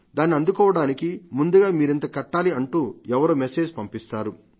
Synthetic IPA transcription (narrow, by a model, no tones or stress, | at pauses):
d̪aːnːiɐnd̪ukɔːʋɐɽaːnikimund̪uɡaːmiːɾint̪ɐkɐʈːaːliɐɳʈuːɛʋɐɾoːmese̞ːd͡ʒpɐmpist̪aːɾu